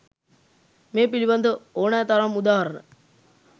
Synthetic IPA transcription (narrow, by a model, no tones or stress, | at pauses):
meːpiliband̪əoːnæːt̪aɾamud̪aːɦɐɾənə̰